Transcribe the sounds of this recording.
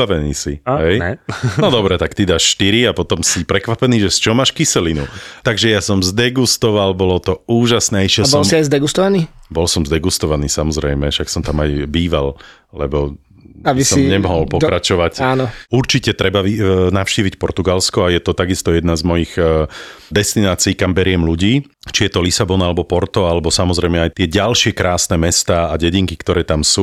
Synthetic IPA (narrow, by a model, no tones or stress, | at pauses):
aʋɛnḭːsḭɦɛjɛɔd̪ɔbɾɛt̪akt̪id̪aːʃʃt̪iɾiapɔt̪ɔmsipɾɛkʋapɛniːʒɛst͡ʃɔmaːʃkisɛlinut̪aɡʒɛjasɔmzd̪ɛɡust̪ɔʋalbɔlɔt̪ɔuːʒasnɛiʃɛbsɔlsiajzd̪ɛɡust̪ɔʋaniːbɔlsɔmzd̪ɛɡust̪ɔʋaniːsamɔzɾɛjmɛʃaksɔmt̪amajbiːʋa̰l | lɛbɔ | abisɔmɲɛmɔɦɔlpɔkkɾat͡ʃɔʋacaːnɔuɾt͡ʃicɛt̪ɾɛbaʋinafʃciːʋicpɔɾt̪uɡalskɔajɛt̪ɔt̪aɡist̪ɔjɛd̪nazmɔjiɣ | d̪ɛst̪inaːt͡siːkambɛɾɪɛmluɟiː | t͡ʃijɛt̪ɔlisabɔnalɛbɔpɔɾt̪ɔalɛbɔsamɔzɾɛjmɛajt̪ɪɛɟalʃɪɛkɾaːsnɛmɛst̪aːaɟɛɟiŋkikt̪ɔɾɛːt̪amsuː